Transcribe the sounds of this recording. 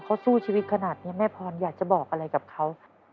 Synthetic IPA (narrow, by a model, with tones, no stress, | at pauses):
kʰa˦˥wsuː˥˩t͡ɕʰiː˧wi˦˥t̪̚kʰa˧naː˨˩t̪̚ni˦˥˨mɛː˥˩pʰɔː˧njaː˨˩k̚t͡ɕa˨˩bɔː˨˩k̚ʔa˧ɾa˧jka˨˩p̚kʰa˦˥w